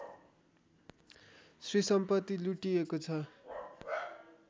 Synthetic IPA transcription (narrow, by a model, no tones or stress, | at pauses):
srisʌmpʌt̪ːiluʈiekot͡sʰʌ